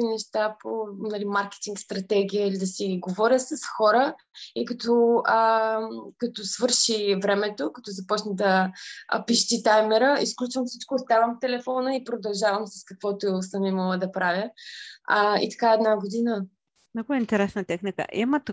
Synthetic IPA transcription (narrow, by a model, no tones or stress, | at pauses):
inɛʃt̪aponɐlimaɾkɛ̥t̪iŋkst̪ɾɐt̪ɛɡʲijəilid̪ɐsiɡovɔɾʲjəsɐsxɔɾə | ikɐt̪ɔə | kɐt̪ɔsvɤɾʃivɾɛmɛt̪okɐt̪ɔzɐpɔt͡ʃnəd̪ɐ̰ | piʃt̪it̪ajmɛɾəisklʲut͡ʃvəmfsit͡ʃkoːst̪avəmft̪ɛlɛfɔnəipɾod̪ɐlˠʒavəmsɐskɐkvɔt̪osəmiməlˠəd̪ɐpɾavʲjə | əḭt̪ɐ̥kaɛd̪naɡod̪inə | mnɔɡʊɛint̪ɛɾɛsnət̪ɛxnikə̰ʔḭmət̪